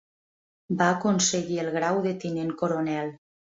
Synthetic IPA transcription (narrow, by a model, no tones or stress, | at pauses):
baːkonseɣielˠɣ̞ɾawðet̪ineŋkoɾonɛlˠ